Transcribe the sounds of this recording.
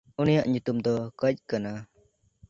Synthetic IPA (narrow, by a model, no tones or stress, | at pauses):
unijaʔɲut̪umd̪ɔkəc̚kana